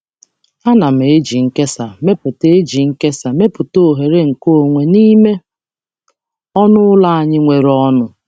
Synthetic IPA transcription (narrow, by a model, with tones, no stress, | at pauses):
a˦na˨m̩˨e˦d͡ʒi˨ŋ̩˦ke˦sa˨me˦pʊ˨te˦e˦d͡ʒi˨ŋ̩˦ke˦sa˨me˦pʊ˨to˦o˨ɦe˨ɾe˦ŋ̩˨ko˦˨ŋʷe˨ni˦me˦ | ɔ˦nʊ˦ʊ˦la˦a˨ɲɪ˦ŋʷe˨ɾɔ˦nʊ˨